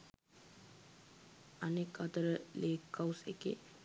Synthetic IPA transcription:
anekat̪əɾəleːkːawsḛkḛ

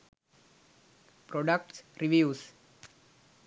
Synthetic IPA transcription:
pɾɔɖək̚ʈsɾiʋjuːs

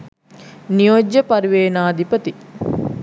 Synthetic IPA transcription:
nijod͡ʒːɐpɐɾiʋeːnaːd̪ipɐt̪i

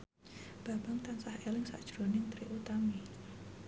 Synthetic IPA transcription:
b̥a̤b̥aŋt̪ansahelɪŋsa̰ʔd̥ʒ̥ɾonɪŋt̪ɾiʔut̪ami

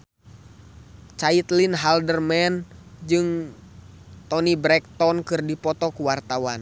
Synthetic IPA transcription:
t͡ʃait̪linɦaldərmɛnd͡ʒɨŋ | t̪ɔnibɾɛk̚t̪ɔnkɨrdipɔt̪ɔkuwart̪awan

